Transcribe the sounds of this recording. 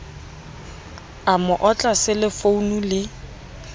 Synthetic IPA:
amʊʔɔt͡ɬʼasɪlɪfounulɪ

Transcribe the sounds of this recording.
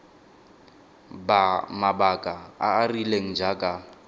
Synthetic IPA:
bamabakʼaaːrileŋ̩d͡ʒakʼa

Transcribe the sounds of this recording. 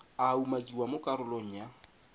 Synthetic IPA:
aumakʼiwamokʼaɾʊloŋ̩ja

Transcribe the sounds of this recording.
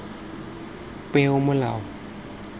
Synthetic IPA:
pʼɛʊmʊlaːʊ

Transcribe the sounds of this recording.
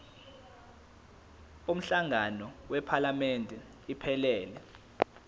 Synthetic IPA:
um̩ɬaŋanɔwɛpʰalamɛndʱɛ | ipʰɛlɛːlɛ

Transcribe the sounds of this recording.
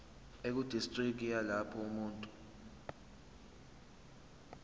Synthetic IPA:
ek̬ud̥ʱistʼrik̬ialapʰɔumuːntʼu

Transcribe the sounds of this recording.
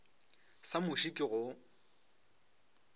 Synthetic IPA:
samʊʃikʼɪɣʊ

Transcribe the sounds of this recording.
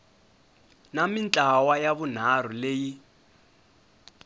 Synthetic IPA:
namint͡ɬʼawajaβun̤ar̤uleːji

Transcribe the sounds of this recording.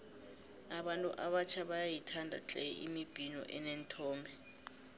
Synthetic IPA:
aɓantʼuʔaɓat͡ʃʰaɓajajitʰandʱa̰t͡ɬʼɛ̰ʔimib̥ʱinɔ̰ʔɛnentʰɔːmbʱɛ

